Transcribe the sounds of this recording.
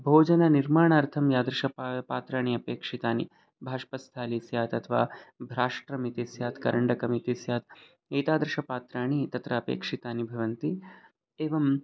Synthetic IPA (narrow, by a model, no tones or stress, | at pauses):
bʱoːd͡ʒɐnɐniɾmaːɳaːɾt̪ʰɐmjaːd̪ɾɐʃɐppaːt̪ɾaːɳ̃iɐpeːkʂit̪aːnḭ | bʱaːʂpɐst̪ʰaːlisjaːt̪ɐt̪ʰʋa̰ːbʱɾaːʂʈɾɐmit̪isjaːt̪kɐɾɐɳɖɐkɐmit̪isjaːt̪̚ | eːt̪aːd̪ɾɐʃɐpaːt̪ɾaːɳit̪ɐt̪ɾɐːpḛːkʂit̪aːnibʱɐʋɐnt̪i | eːʋɐm